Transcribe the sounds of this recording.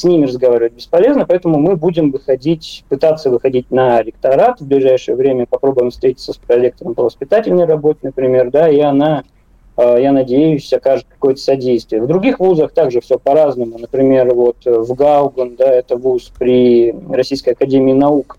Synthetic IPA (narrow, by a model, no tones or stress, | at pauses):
sʲnʲimʲɪɾəzɡɐvaɾʲɪvət̚ʲbʲɪspɐlʲe̞znəpɐɛt̪əmʊmɨbudʲɪmvɨxɐdʲitʲpɨt̪at̪sːəvɨxɐdʲitʲnɐɾʲɪk̚t̪ɐɾat̪vblʲɪʐajʂɨjəvɾʲemʲəpɐpɾo̞bʊjɪmfst̪ɾʲetʲɪt̪səspɾɐlʲe̞k̚t̪əɾəmpəvəspʲɪt̪atʲɪlʲnəjrɐbo̞t̪ʲɪnəpɾʲɪmʲe̞rd̪aiɐna | janɐdʲejʊsʲɐkaʐɨt̪̚kɐ̥ko̞jət̪ə̥sɐdʲejst̪vʲɪjəvd̪ɾʊɡʲixvuzəxt̪aɡʐɨfsʲopɐɾaznəmʊnəpɾʲɪmʲe̞rvo̞t̪vɡaʊɡənd̪aɛt̪əvuspɾʲɪrɐsʲijskəjɐkɐdʲemʲɪːnɐuk